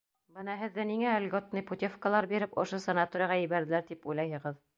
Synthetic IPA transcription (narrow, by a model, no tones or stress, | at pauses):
bɤnɑɦɘ̆ðːæniŋæælʲɡot̪nɤput̪ʲefkəlˠɑɾbiɾɘpŏ̰ʃosɐnat̪oɾʲɪjɑʁɑjɘ̆βæɾðɘ̆læɾt̪ipujlˠɑjhɤ̆ʁɤð